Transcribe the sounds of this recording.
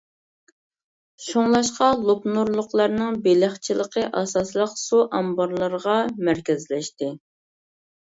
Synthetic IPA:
ʃoŋlˠɑʃqɑlˠupnuɾlˠʊqlˠɑɾnɨŋbelɪχt͡ʃʰilˠəqʰəʔɑsɑslˠəqsuʔɑmbɑɾlˠəɾəʁɑmæɾkʲɛzlɛʃt̪ɪ

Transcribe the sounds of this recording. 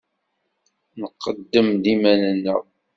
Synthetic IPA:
nəqːəd̪ːəmd̪imænənːə̰

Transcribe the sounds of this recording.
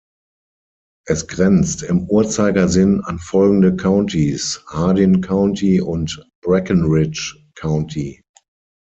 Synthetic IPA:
ʔɛsɡ̥ʁɛnt͡stɪmuːɐt͡saɪɡɐzɪnãnfɔlɡŋ̩dəkʰãʊ̃ntʰishaːdinkʰãʊ̃ntʰiʊ̃ntb̥ʁɛkənʁɪt͡ʃ | kʰãʊ̃ntʰi

